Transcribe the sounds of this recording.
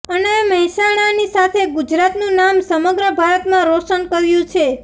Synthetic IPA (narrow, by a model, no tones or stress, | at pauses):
əneməɦisaɽ̃anisat̪ʰeɡud͡ʒɾat̪nũnamsəməɡɾəbʱaɾət̪mãɾoʃənkəɾjũt͡ʃʰe